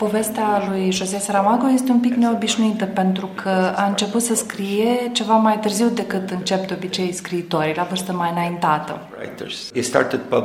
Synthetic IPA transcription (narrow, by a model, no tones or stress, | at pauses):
po̞ve̞st̪ealujʒo̞zeesaɾamaɡojest̪e̞umpikne̞o̞biʃnuit̪əpe̞nt̪ɾukʰəaɨnt͡ʃe̞put̪səskɾije̞t͡ʃe̞vamajt̪ɨrziwd̪e̞kɨt̪ɨnt͡ʃe̞p̚d̪eo̞bit͡ʃe̞jskɾiːt̪o̞ɾilavɨrst̪əmajɨnaint̪at̪ə̰ | a̰jtə̰s | ist̪a̰t̪əd̚pa